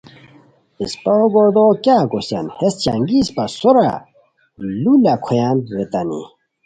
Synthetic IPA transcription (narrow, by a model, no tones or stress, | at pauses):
ispaoɡoɾd̪okjaːkosa̰nhest͡ɕaŋɡispasoɾa̰ | lulakʰojaːnɾet̪anḭ